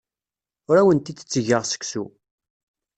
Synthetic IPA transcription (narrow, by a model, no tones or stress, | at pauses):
ʊɾæwənt̪id̪ə̥t͡sːəʝəʁsə̥ksṵ